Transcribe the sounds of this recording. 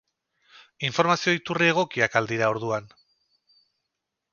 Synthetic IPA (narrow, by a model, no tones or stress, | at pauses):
iɱfo̞ɾmasio̞it̪urie̞ɣ̞o̞kiakald̪iɾao̞ɾðuan